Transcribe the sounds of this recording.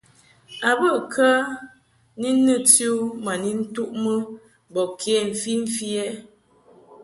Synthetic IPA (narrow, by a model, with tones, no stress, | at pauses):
a˨bə˦˨kʰə˦ | ni˦nːə˦tju˦ma˨ni˦n̩˦tu˦ʔmə˦ | bɔ˨kʰe˦˨ɱ̩˨fi˦ɱ̩˦fjɛ˦